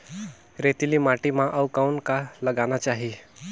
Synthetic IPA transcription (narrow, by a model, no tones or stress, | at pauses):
ɾet̪ilimaːʈimãʔəʋkaʊnkaləɡanat͡ʃaːɦi